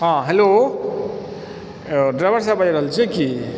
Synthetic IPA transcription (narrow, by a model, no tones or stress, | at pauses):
ɦãɦelo | ɖɾajbəɾsabajɾəɦəlt͡ʃʰɛki